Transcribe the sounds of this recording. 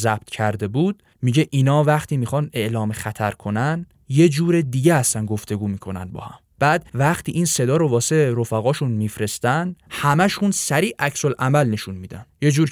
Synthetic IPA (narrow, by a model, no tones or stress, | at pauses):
zæb̥̚t̪ʰcʰæɾd̪e̞buːd̪̥̚ | miːɟe̞ʔiːnɒːvæχt̪ʰiːmixɒːne̞ʔlɒːmexæt̪ʰæɾkʰo̞næn | je̞d͡ʒuːɾed̪iːɟehæst̪ænɡo̞ft̪ʰe̞ɡuːmiːkʰo̞næ̰nbɒ̰ːhæmb̥æːd̪̥væχt̪ʰiːʔiːnse̞d̪ɒːɾo̞vɒːseɾo̞fæɣɒːʃunmifɾe̞st̪ænd̪hæmæʃunsæɾiːʔæcʰso̞lʔæmælne̞ʃunmiːd̪ænje̞d͡ʒuːɾ